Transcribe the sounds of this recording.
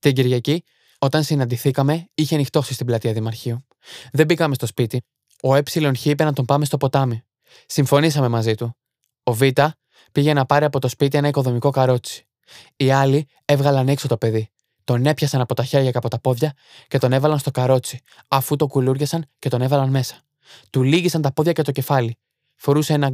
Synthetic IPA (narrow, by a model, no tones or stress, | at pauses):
t̪iɲɟiɾʝɐci | o̞t̪ɐnsinɐnd̪iθikɐme̞içenixt̪o̞sist̪iblɐt̪iɐðimɐɾçio | ðe̞bikɐme̞st̪o̞spit̪i | o̞e̞psilo̞nçiipenɐt̪o̞mpɐme̞st̪o̞po̞t̪ɐmi | siɱfo̞nisɐme̞mɐzit̪u | o̞vit̪ɐ | piʝe̞nɐpɐɾiɐpo̞t̪o̞spit̪̬ie̞nɐiko̞ðo̞miko̞kɐɾo̞t͡si̥ | iɐli | e̞vɣɐlɐnekso̞t̪o̞pe̞ði | t̪o̞ne̞pçɐsɐnɐpo̞t̪ɐçe̞ɾʝɐcɐpo̞t̪ɐpo̞ðʝɐ | ce̞t̪one̞vɐlɐnst̪okɐɾo̞t͡si̥ | ɐfut̪o̞kuluɾʝesɐnce̞t̪o̞ne̞vɐlɐnme̞sɐ̥ | t̪uliʝisɐnt̪ɐpo̞ðʝɐce̞t̪o̞ce̞fɐli | fo̞ɾuseenɐ